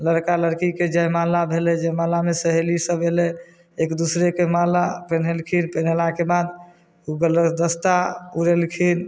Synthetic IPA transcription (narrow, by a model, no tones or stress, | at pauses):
ləɾkaləɾkiked͡ʒəjmalabʱelɛd͡ʒemalamesəɦelisəbʱelɛ | ekd̪usɾekemalapenelkʰinpen̤elakebad̪ | uɡləd̪əst̪auɾelkʰin